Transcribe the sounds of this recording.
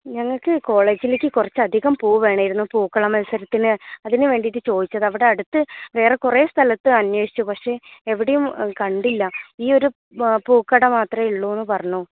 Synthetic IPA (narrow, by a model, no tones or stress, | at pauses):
ɲɐŋːɐɭkɨko̞ːɭe̞ːd͡ʑileːkʲːɨkurɐt͡ɕːɐd̪ʱiɣɐmpuːʋe̞ːɳɐjiɾunːupuːkːɐɭɐmɐlsɐɾɐt̪ːinɨɐðinɨʋe̞ːɳɖitːɨt͡ɕo̞ːd̪it͡ɕːɐðɐʋiɽe̞ɐɽut̪ːɨʋe̞ːrekure̞ːst̪ʰɐlɐt̪ːɨɐnweːʂi̥t͡ɕːupɐkʂe̞eʋiɽejumkɐɳɖilːɐiːo̞ɾu | puːkːɐɽɐmaːt̪rɐiɭːoːenːɨpɐrɐɲːu